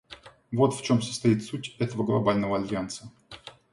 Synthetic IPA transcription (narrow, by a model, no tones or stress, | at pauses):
vo̞t̪ft͡ɕo̞msə̥st̪ɐit̪sutʲɛt̪əvəɡlˠɐbalʲnəvəɐlʲvʲjant̪sə